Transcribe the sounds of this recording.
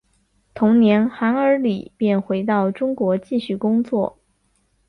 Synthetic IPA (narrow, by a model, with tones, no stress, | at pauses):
t̪ʰʊ˧˥ŋnjɛ˧˥nxa˧˥nə˞˧˥li˨˩pjɛ˥˩nxwe˧˥ɪt̪ɑ˥˩ʊʈ͡ʂʊ˥ŋkwɔ˧˥t͡ɕi˥˧ɕy˥˩kʊ˥ŋt͡swɔ˥˩